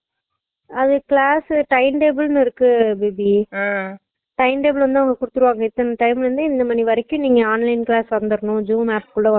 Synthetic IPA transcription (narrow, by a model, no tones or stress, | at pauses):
ɐðɯkɪɭaːsʈɐɪnʈeːbɐlnɯɪɾɯkːɯbeːbi | ʈɐɪnʈeːbɐlʋɐnd̪ɯʋɐ̃ŋɡɐkʊɽɯt̪ːɯɾɯʋaːŋɡɐɪt̪ːɐnɐʈɐɪmʋɐnd̪ɯɪnd̪ɐmaːniʋɐɾɛkːʊ̃niːŋɡɐaːnlɐɪnkɪɭaːsʋɐnd̪ɯɾɐnʊ̃d͡ʒuːmaːpkʊɭːɐ